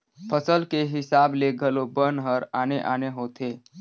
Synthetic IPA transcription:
pʰəsəlkeɦɪsaːbleɡʱəlobənɦəɾaːneʔaːneɦoːt̪eː

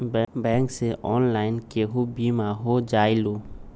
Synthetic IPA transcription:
bɛ̃ːŋkseʔɔːnlaːɪnkeɦubimaɦod͡ʒaːilo

